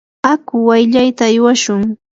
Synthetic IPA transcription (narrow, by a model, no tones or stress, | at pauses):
akʊwajʎajt̪aːjwaʃʊŋ